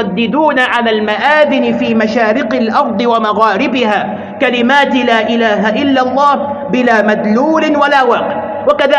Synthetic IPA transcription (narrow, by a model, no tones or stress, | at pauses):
ad̪ːɪd̪uːnaʕalaːlmaʔaːðɪnɪfiːmaʃaːɾɪqɪlʔɑɾˤd̪ˤɨwamaɣaːɾɪbɪhaː | kalɪmaːt̪ɪlaːʔɪlaːɦaʔɪlːalˤːɑːh | bɪlaːmad̪luːlɪwalaːwaːqɪʕ | wakaðaː